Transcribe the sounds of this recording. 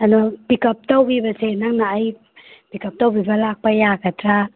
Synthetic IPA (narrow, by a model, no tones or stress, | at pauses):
anɔpikɐp̚tawbibɐsenaŋnaːj | pikap̚tawbibɐlak̚pajakatɾa